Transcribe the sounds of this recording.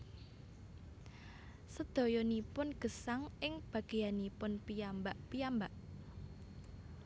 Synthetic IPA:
səd̪̥o̤jɔnipʊnɡ̥ə̤saŋʔɪŋb̥ä̤ɡ̥e̤janipʊnpijambaʔpijambaʔ

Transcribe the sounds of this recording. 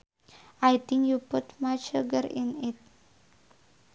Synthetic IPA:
ajt̪ĩŋkjuputmat͡ʃəɡəɾĩnɪt̚

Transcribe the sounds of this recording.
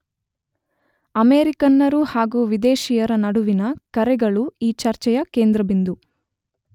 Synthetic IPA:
ɐmeːɾikɐnːɐɾuhaːɡuːʋid̪eːʃijɐɾɐnɐɽuʋinɐkɐɾɛɡɐɭuiːt͡ʃɐɾt͡ʃɛjɐke̞ːnd̪ɾɐbind̪u

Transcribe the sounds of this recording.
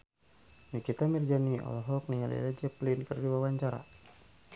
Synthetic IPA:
nikit̪amird͡ʒaniʔɔ̰lɔɦɔk̚nialḭɾɛd͡ʒɛplinkərdiwawaɲt͡ʃaɾa̰

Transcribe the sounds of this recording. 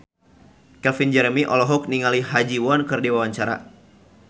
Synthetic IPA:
kɛlfind͡ʒɛɾəmiʔɔlɔɦɔk̚niŋaliɦad͡ʒiwɔnkɨrdiwawaɲt͡ʃaɾa̰

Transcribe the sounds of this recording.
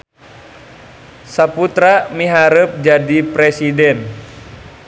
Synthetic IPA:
saput̪ɾamiɦaɾəp̚d͡ʒadipɾɛsidɛn

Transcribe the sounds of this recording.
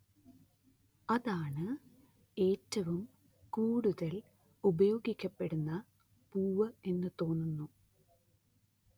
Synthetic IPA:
ɐðaːɳɨ | e̞ːtːɐʋum | kuːɽuðɐl | ubɐjo̞ːɡikʲːɐpːe̞ɽunːɐ | puːʋɐe̞nːɨt̪o̞ːnːunːu

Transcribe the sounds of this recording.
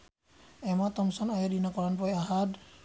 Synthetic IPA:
ɛmat̪ɔmsɔnajedinakɔɹanpɔjaɦad̪

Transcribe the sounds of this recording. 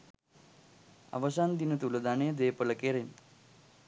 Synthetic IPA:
a̰ʋəsand̪inɐt̪ulɐd̪aːned̪eːpəlɐkeɾen

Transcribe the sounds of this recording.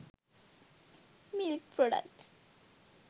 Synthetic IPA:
mɪlk̚pʰɾɔɖə̰kt

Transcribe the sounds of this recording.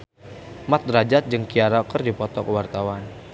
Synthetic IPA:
mat̪̚rad͡ʒat̪̚d͡ʒəŋkiaɾakərdipɔt̪ɔkəwart̪awan

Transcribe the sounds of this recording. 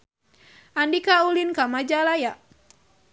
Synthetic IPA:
andikaulinkamad͡ʒalajaʔ

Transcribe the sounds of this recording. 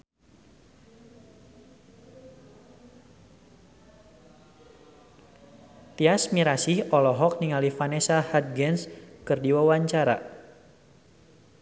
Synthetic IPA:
t̪iasmiɾasihɔlɔɦɔk̚niŋalifanesahat̪̚ɡɛnskɨrdiwawaɲt͡ʃaɾa̰

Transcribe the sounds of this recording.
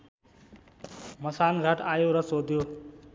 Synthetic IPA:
məsaːnɡʱəʈʰaːjoɾəsoːd̪ʱjoː

